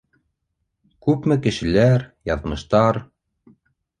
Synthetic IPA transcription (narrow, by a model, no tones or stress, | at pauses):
kʉpmɘkɘ̆ʃɘ̆læɾjɑðmɤ̆ʃt̪ɑɾ